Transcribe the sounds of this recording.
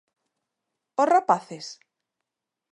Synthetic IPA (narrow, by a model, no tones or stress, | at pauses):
osrapaθes